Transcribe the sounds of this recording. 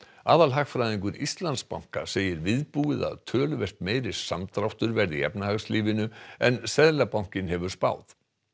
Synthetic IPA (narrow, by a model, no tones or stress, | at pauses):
aːðalɦaxfɾajðiŋkʏɾist̪lant̪spa̰wŋ̥ka̰seːjɪɾvɪðpuːɪða̰ðt̪ʰœːlʏvɛr̥t̪meːjɾɪ̥samt̪ɾawht̪ʏɾvɛɾðɪɛ̰pnahaɣsliːvɪnʏɛnsɛðlapawŋ̥cɪnhɛvʏɾ̥spa̰ːwθ